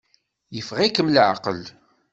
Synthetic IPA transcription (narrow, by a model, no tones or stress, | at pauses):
jəfʁikəmlʕa̰qəl